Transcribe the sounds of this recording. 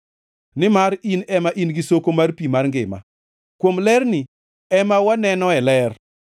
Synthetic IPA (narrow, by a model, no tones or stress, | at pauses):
nɪmaɾinɛmaʔinɡɪsokomarpimarŋɡɪma̰ | kwomlɛrnɪ | ɛmawanɛnɔɛlɛr